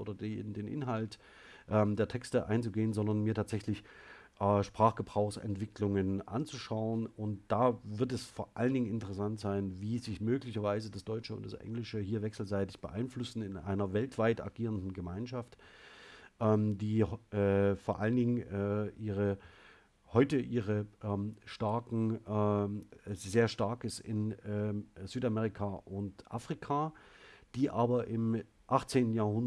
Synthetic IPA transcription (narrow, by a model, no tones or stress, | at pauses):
ʔo̰ːdɐdedeːnʔɪ̰nɦalt | ʔɛːmdeːɐtʰɛkstəʔa̰ɪnt͡suɡeːənzɔndɐnmiːɐtʰaːtz̥ɛçlɪç | ʔɛːʃpʁ̥aːχɡ̥əbʁaʊxsɛ̰ntv̥ɪklʊŋənʔa̰nt͡suʃaʊənʊnt̚d̥aːvɪɐt̬ɛsfoːɐʔaləndɪŋənɪntəʁəsantz̥aɪnviːzɪçmøːklɪçɐvaɪzədasd̥ɔʏt͡ʃəʊ̰ntd̥a̰sʔɛ̰ŋlɪʃəɦiːɐvɛksl̩zaɪtɪçb̥əʔaɪnflʊsn̩ɪnʔa̰ɪnɐvɛltv̥aɪta̰ɡiːʁəndn̩ɡəmaɪnʃaft | ʔɛmdiːʔɛːfoːɐʔaləndɪŋʔɛːʔiːʁə | hɔʏtəʔiːʁəʔɛːmʃtaɐkŋ̩ː | zeːɐʃtaɐkɪsɪ̰nɛːz̥yːtamɛːʁikʰaʔʊntʔa̰fʁ̥ikʰaːd̥iːʔaːbɐʔɪm | ʔaχt͡seːntn̩jaɐɦʊn